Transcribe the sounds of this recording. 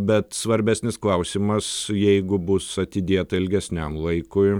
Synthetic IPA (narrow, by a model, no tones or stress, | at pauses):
bʲɛt̪sʋɐɾʲbʲæːsʲnʲɪsklˠɐʊsʲimɐsjɛɪɡʊbʊsɐt̪ʲɪd̪ʲeːt̪ɐɪlʲɡʲɛsʲnʲɛmlˠɐɪkʊɪ